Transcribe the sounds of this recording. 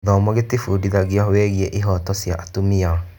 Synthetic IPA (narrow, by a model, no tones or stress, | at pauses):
ðɔmɔɣetefudiðaɣiahwɛɣiɛʔeɦɔtɔsjaʔatomia